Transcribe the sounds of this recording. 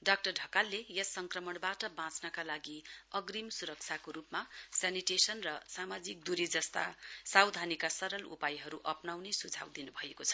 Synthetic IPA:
ɖak̚ʈʌrɖʱʌkalːejʌsʌŋkrʌmʌɳbaʈʌbãt͡snʌkalaɡiʌɡrimsuɾʌk̚t͡sʰakoɾupmasaniʈesʌnrʌsamad͡zik̚d̪uɾid͡zʌst̪a̰sawd̪ʱanikasʌɾʌlṵpajɦʌɾuʔʌpnawnesud͡zʱa̰wd̪inubʱʌekot͡sʰʌ̥

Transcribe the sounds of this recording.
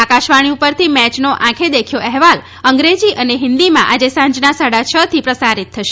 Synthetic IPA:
akaʃʋaɽ̃iupəɾt̪ʰimɛt͡ʃnoʔãkʰed̪ekʰjoʔɛɦʋal | əŋɡɾed͡ʒiʔəneɦɪ̃nd̪imã̰ʔad͡ʒesãɲd͡ʒnasaɽat͡ʃʰət̪ʰipɾəsaɾit̪ʰːəʃe

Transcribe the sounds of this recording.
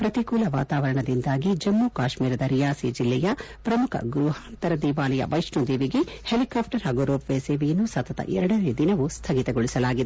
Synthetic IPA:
pɾɐt̪ikuːlɐʋa̰ːt̪aːʋɐɾɐɳɐd̪ind̪aːɡid͡ʒɐmːukaːʃmiːɾɐd̪ɐɾijaːsid͡ʒilːɛjɐ | pɾɐmukʰɐ̰ɡɾuːɦant̪ɐɾɐd̪iːʋaːlɐjɐ̰ʋɐjʂɳud̪iːʋiɡehelikaːp̚ʰʈɐɾɦɐɡuɾoːpʋeːseːʋijɐnːusɐt̪ɐt̪ɐ̰ʔɛɾɐɽɐneːd̪inɐʋust̪ʰɐɡit̪ɐɡoɭisɐlaːɡid̪e

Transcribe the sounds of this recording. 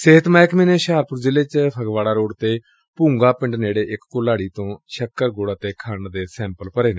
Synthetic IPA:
sɪɦət̪maːkmẽːneːʃaːɾpʊɾzɪleːt͡ʃpʰəɡʋaːɽaːɾoːɽt̪eː | pũːŋɡaːpɪ̃ɳɖneːɽeːʔɪkːʊlaːɽiːt̪õːʃəkːəɾɡoːɽaːt̪eːkʰaːnd̪eːsɛ̃ːmpəlpəɾeːneː

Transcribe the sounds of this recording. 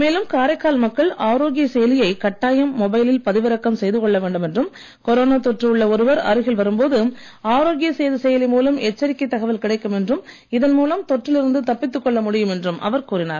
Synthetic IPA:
meːlɯmkaːɾɐkːaːlmɐkːɐɭaːɾoːɣɪjɐsɛjɐlɪjɐɪkɐʈːaːjɐmːɔbɐɪlɪlpɐðɪʋɪɾɐkːɐmsɛjðɯkɔɭːɐʋeːɳɖɯmɛndrɯm | kɔɾoːnaːt̪ɔʈrɯɯɭːɐɔɾɯʋɐɾɐ̰ɾɯɣɐɭʋɐɾɯmpoːðɯ | aːɾoːɣɪjɐseːðɯsɛjɐlɪmuːlɐmɛt͡ʃːɐɾɪkːɐɪt̪ːɐɣɐʋɐlkɪɽɐɪkːɯmɛndrɯm | ɪðɐnmuːlɐmt̪ɔʈrɪlɪɾɯnd̪ɯt̪ɐpːɪt̪ːɯkːɔɭːɐmʊɽɪjɯmɛndrɯmʔɐ̰ʋɐɾkuːɾɪna̰ːɾ

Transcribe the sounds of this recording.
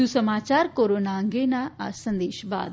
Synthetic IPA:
usəmaːt͡ʃaːɾkoːɾoːnaːŋɡeːnaəsə̃nd̪eːʃba̰ːd̪

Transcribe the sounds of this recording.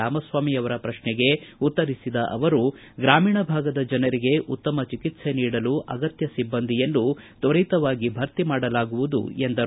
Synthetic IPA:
aːmɐsʋaːmiɐʋɐɾɐpɾɐʃnɛɡe̞ut̪ːɐɾisid̪ɐʔɐʋɐɾu | ɡɾaːmiːɳɐbʱaːɡɐd̪ɐd͡ʒɐnɐɾiɡe̞ʔut̪ːɐmɐt͡ʃikit̪se̞niːɽɐluʔɐɡɐt̪jɐsibːɐnd̪ʱijɐnːut̪ɐɾit̪ɐʋaːɡibʱɐɾt̪imaːɽɐlaːɡuʋud̪ṵe̞nd̪ɐ

